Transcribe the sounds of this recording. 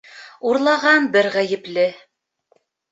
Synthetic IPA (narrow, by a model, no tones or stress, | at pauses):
uɾlˠɑʁɑnbɘɾʁæjɘ̆plɘ